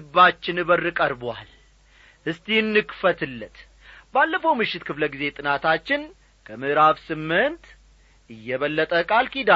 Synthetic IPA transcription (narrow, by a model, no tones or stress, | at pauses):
ɨbːat͡ʃːɪnɨβərɨkʼəɾbwa̰l | ʔɨst̪ʼijɨnːɨkfət̪ɨlːət̪ | balːəfowmɨʃːɪt̪kʰɨfləɡize̞t̪ʼɨnat̪ʰat͡ʃːɪn | kʰəmɨhɾaβsɨmːɨnt̪ | ʔɨjːɛβəlːət̪ʼəkʼalkid̪a